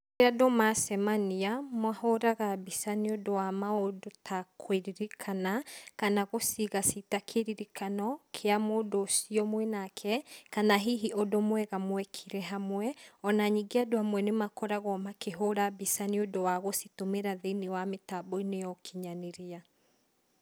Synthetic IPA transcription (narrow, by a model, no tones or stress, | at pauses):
ɾeadomasɛmaniamwahoɾaɣabisaniodowamaodotʰakʰweɾiɾikʰanakanaɣosiɣasitakʰeɾiɾikanɔkʰeamoːdosiɔmwɛnakʰɛkanaɦiɦiʔodomwɛɣamwɛkʰiɾɛɦamwɛɔnaɲiɡeadohamwɛnemakɔɾaɣɔmakeɦoɾabisaniodowaɣositomeɾaðenewametabɔinejɔkʰiɲaneɾia